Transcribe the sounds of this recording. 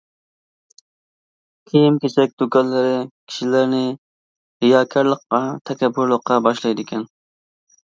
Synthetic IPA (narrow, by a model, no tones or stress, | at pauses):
kʲʰejimkʲesɛk̚ʲd̪ukʰɑnlːˠɨɾɪkʲʰi̥ʃilæɾnɪ | hɪjɑːkʲʰæɾlˠəqːɑt̪ʰɛkʲʰɛbːʊɾlˠəqːɑbɑʃlˠɑjd̪ɪkʲʰɛn